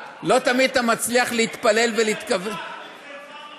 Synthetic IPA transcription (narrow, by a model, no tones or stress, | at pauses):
lo̞t̪amid̪̚t̪amat͡sliaχleit̪pale̞lveliit̪kave